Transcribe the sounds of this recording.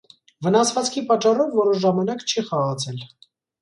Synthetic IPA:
vənɑsvɑt͡skʰipɑt͡ʃːɑrɔvːɔɾɔʒɑmɑnɑkt͡ʃʰiχɑʁɑt͡sʰɛl

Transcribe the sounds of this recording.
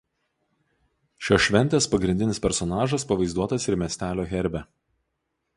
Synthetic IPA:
ʃʲoʃʲʋʲɛnʲt̪ʲɛspɐɡɾʲɪnʲd̪ʲɪnʲɪspʲɛɾsɔnɑːʒɐspɐʋɐɪzd̪uɔt̪ɐsɪɾmʲɛsʲt̪ʲæːlʲoːɣʲɛɾʲbʲɛ

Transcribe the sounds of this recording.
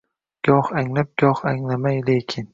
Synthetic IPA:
ɡ̥ɒhaŋlap̚ɡ̥ʲɒhaŋlamajlekʲʰɪn

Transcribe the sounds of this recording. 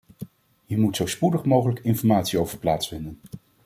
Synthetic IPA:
ɦiɹmutsowspudəχmowχələkɪnfɔɹmaːtsiowvəɹplaːtsfɪndən

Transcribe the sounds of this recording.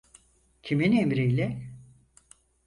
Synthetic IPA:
cʰiminemɾijlʲɛ

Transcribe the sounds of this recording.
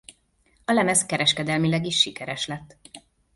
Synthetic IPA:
ɒlɛmɛskɛɾɛʃkɛd̪ɛlmilɛɡiʃːikɛɾɛʃlɛt̪ː

